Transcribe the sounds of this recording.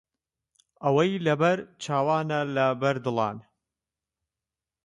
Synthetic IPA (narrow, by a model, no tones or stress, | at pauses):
ʔɐwɐjlɐbɐɾt͡ʃʰaːwaːnɐlɐbɐɾd̪ɨlˠɑ̰ːn